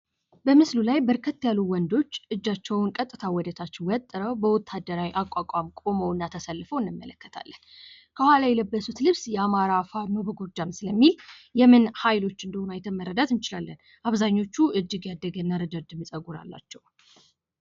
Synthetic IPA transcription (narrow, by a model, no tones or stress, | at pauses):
bəmɨslulajbəɾkʰət̪ːjalːuwɔnd̪o̞t͡ʃːʔɨd͡ʒːat͡ʃːɛwnkʼət̪ʼːɨt̪ʰawɔd̪ət̪ʰat͡ʃːɪwɔt̪ʼːɨɾəwbəwɔt̪ʰːad̪ːəɾawiʔakʼakʼamkʼo̞məwɨnːat̪ʰəsəlːfəwɨnːɨmːə̰ləkːə̥t̪ʰa̰lːən | kʰəhʷwalajɛləbːəsut̪lɨβsjɛamaɾafanobəɡo̞d͡ʒamsɨləmːil | jɛmɨnhajlo̞t͡ʃːɨnd̪əhunajt̪ʰəməɾəd̪at̪ɨnt͡ʃɪlalːən | ʔaβzaɲːo̞t͡ʃːuʔɨd͡ʒːɨɡjad̪ːəɡənːaɾəd̪əd̪ɨmɨsʼəɡuɾa̰lːa̰t͡ʃːɛw